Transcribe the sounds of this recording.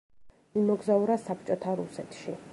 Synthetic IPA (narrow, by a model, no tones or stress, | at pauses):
imɔɡzauɾasapʰt͡ʃʼɔt̪ʰaɾusɛt̪ʰʃi